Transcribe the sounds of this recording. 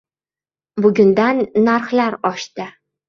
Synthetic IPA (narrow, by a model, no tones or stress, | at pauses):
bʊɡʲʊnd̪anːaɾχlaɾɒʃt̪ɘ